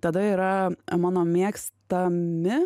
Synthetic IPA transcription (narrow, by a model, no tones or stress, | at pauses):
t̪ɐd̪ɐiːɾɐmɑːnoːmʲiɛkst̪ɐmʲɪ